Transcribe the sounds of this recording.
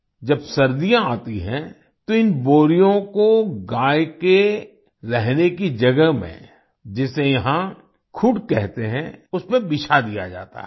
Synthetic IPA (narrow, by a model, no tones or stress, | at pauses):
d͡ʒɐbsɐɾd̪ijãaːt̪iɦɛ̃ | t̪oɪnboːɾijõkoɡaːjke | ɾɛɦnekid͡ʒɐɡəmḛ̃ | d͡ʒɪsejɐɦã | kʰʊʈkɛɦt̪eɦɛ̃ʊsmẽbɪʃʰad̪ija̰d͡ʒa̰ːt̪a̰ɦ